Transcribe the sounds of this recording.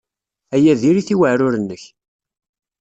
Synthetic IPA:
æjæðiɾiθiwəʕɾʊɾənːəç

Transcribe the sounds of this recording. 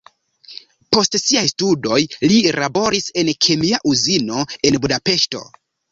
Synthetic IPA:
po̞stsiajstudo̞jlilabo̞ɾise̞nkʰe̞miaʔuzino̞e̞nbudape̞ʃto̞̰

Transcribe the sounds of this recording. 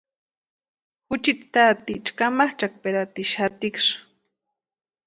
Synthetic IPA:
xʊt͡ʃit̪t̪at̪it͡ʃkamaχt͡ʃak̚peɾat̪iʃat̪ɪkʂ

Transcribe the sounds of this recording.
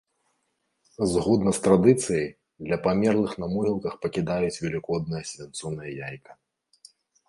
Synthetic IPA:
zɣɔd̪nɐst̪ɾad̪ɨt̪sɨjɐj | d̪lʲɐpamʲɛrlˠɨxnɐmuɦʲilˠkɐxpɐkʲid̪ajut͡sʲvʲɛlʲikɔd̪̚nɨjɐsʲvʲɛnt̪sɔnɨjɐjajkɐ̥

